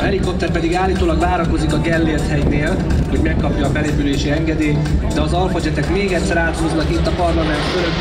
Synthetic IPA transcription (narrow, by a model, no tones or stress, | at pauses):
ɦɛliko̞p̚t̪ːɛrpɛd̪iɡaːlːiːt̪oːlɒɡvaːɾɒko̞zikɒɡɛlːeːlt̪hɛjneːl | ho̞ɟmɛkːɒpjɒːbɛleːpyleːʃiɛŋɡɛd̪eːt̪d̪ɛɒzɒlfod͡ʒɛt̪ɛkmeːɡɛt̪sːɛɾaːt̪hoznɒkit̪ːɒpɒrlɒmɛnt̪føløk̪ː